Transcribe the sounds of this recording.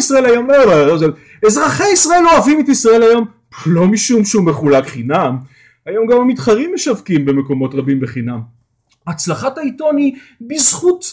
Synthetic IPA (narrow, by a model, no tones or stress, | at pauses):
isʁae̞lajo̞mobaozel | ezʁaχeisʁae̞lo̞avimetisʁae̞lajo̞m | lomiʃumʃume̞χulakχinam | ajo̞mɡamamitχaʁimːeʃavkimbe̞me̞ko̞mo̞tʁabimbeχinam | at͡slaχataito̞nibizχut